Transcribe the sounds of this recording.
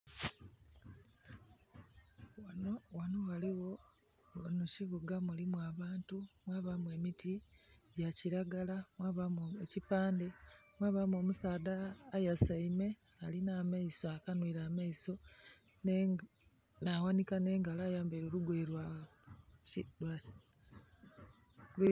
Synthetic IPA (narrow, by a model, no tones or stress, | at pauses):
wanowaliwo̞ | nuciβuɡamulimwaːβaːntumwaːβamwe̞ːmitiɟaciɾaɡalamwaːβamecipaːndemwaːβamo̞ːmusaːdaːjasaime̞ | alinaːmaisoakanwiːɾaːmaiso̞ | n | nawanikane̞ːŋɡalajaːmbeːɾoluɡweːɾwa | lwa | l